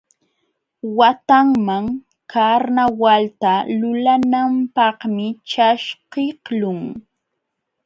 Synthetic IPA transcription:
wat̪aŋmaŋ | kaɾnawalt̪alʊlanampɑhmɪt͡ʃaʃqɪhlʊŋ

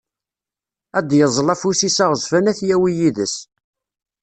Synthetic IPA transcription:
æd̪jəzˤlæfusisaʁzfænæθjæwijiðəs

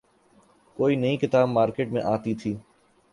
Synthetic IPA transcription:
koːinɐĩkɪt̪aːbmaːɾkeːʈmẽʔaːt̪it̪ʰiː

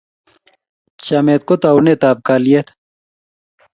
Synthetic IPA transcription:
t͡ɕameːt̪̚kot̪aunet̪aːb̚kalijet̪ʰ

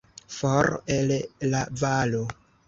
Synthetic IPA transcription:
foɾellavalo

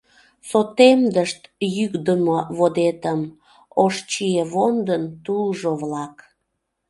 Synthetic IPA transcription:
sot̪emd̪əʃt̪jykd̪əmoβod̪et̪əm | oʃt͡ɕieβond̪ənt̪ulʒoβlɑk

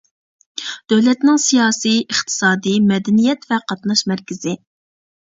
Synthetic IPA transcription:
d̪̥øwlɛt̪nɪŋsijɑːsijəχt̪ʰɨ̥sɑːd̪ɨmɛd̪ɛnijɛt̪vɛqɑt̪nɑʃmɛɾkʲɪz̥ɪ

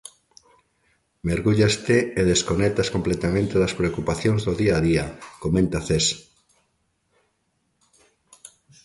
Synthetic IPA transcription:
meɾɣuʎast̪eːðeskonɛk̚t̪askomplet̪amẽnt̪eðɐspɾeokupaθjoŋzðoðiaːðiakomẽnt̪aθes

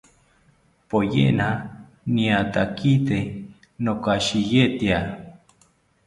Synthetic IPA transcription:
pojḛʔna | niat̪akit̪e | nokaʃijeʔt̪ia

